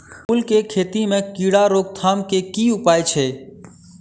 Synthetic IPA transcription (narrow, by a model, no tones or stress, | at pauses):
uːlkekʰeːt̪imẽkiːɽaɾoːɡ̚t̪ʰaːmkekiːʊpaːet͡ʃʰeː